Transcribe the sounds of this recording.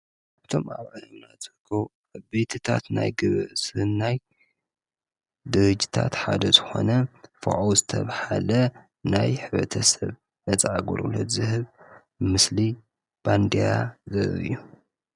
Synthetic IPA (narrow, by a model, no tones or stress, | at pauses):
kaβt̪ʰo̞maβʕɨhɨmnat͡sʼɨkʰoʔaβbet̪ʰɨt̪ʰa̰t̪na̰jɡɨβɨʔsɨɨnːaj | d̪ɨɾɨd͡ʒi̥t̪ʰat̪ħad̪ɐzɨxo̞̰nɐfɨ̰ʕowzɨt̪ʰɐβhalɐ | najħɨβɾɐt̪ʰɐsɐβ | ʔɐt͡sʼʕaɡoɾulo̰t̪zɨɦɨβ | mɨsli | b̥and̪ejazɨɾɨ̰jːu